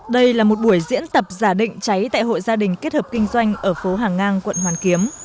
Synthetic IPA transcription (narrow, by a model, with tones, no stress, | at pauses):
ɗə˧jlaː˨˩mo˨˩t̚ɓu˧˩əjzḭ˧˥ənt̪ə˨˩p̚zaː˧˩ɗḭ̈˧˨ŋ̟t͡ɕa˨˦jt̪a̰ː˧˨jɦo̰˧˨jzaː˧ɗï˨˩ŋ̟ke˦˥t̚həː˨˩p̚kï˧ŋ̟zwa˧jŋ̟ʔəː˧˩fo˨˦ɦaː˨˩ŋːaː˧nkwə̰˧˨nhwaː˨˩nki˨˦əm